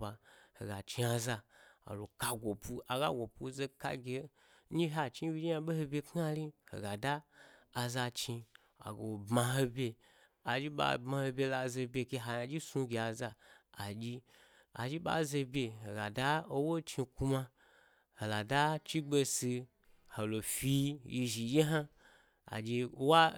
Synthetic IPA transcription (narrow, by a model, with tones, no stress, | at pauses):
a˨ho˨ɡa˨t͡ʃi˧a˧za˧a̰˨lo˨ka˧ɡʷo˨pu˧a˨ɡa̰˦ɡʷo˨pu˧ze˧ka̰˧ɡʲe˨ | ɲi˦ɦa˨t͡ʃi˦bʲi˦d͡ʒi˦a˧be˦ho˧bʲe˧kn˦a˧li˦ho̰˨ɡa˨daː˦˧ | za˧t͡ʃi˧ | a̰˨ɡo˨bma˧ɦo˧bʲe˧ | a˨d͡ʒi˦ɓa̰˧bma˧ho˧bʲe˧la˧ze˧bʲe˧ke˧ɦa˨ja˧d͡ʒi˦su˧ɡʲe˧a˨zaː˧˨d͡ʒi˧ | a̰˨d͡ʒi˦ɓa̰˦ze˧bʲe˧ho˨ɡa˨da˦o˧wo˦t͡ʃi˧ku˧ma˧ | ho˨la˨da˦t͡ʃi˦ɡ͡be˧si˧ | ho˨lo˨fi˧ji˧ʒi˨d͡ʒi˦ɦa˦ | a̰˨d͡ʒi˧wa˦